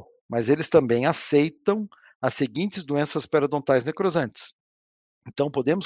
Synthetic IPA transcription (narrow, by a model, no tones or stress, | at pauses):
mɐzelɪst̪ɐ̃mbẽj̃asejt̪ɐ̃w̃ | ɐseɡĩnt͡ʃ̪ɪzd̪uẽsɐspaɾɐd̪õt̪ajznekɾozɐ̃nt͡ʃɪ̥s | ẽnt̪ɐ̃w̃pod̪ẽmʊ